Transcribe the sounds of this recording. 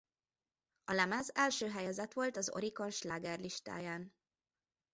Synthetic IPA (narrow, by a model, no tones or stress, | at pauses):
ɒlɛmɛzɛlʃøːɦɛjɛzɛt̪ʋo̞lt̪ɒzo̞̰ɾiko̞nʃlaːɡɛrliʃt̪a̰ːjaːn